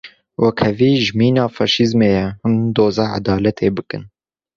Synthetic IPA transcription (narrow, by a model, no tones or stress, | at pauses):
wʔɛkʰɛviːʒmiːnɑːfɑːʃizmeːjɛhɨmd̪oːzɑːʕa̰d̪ɑːlɛt̪ʰeːbɨkɨ̰n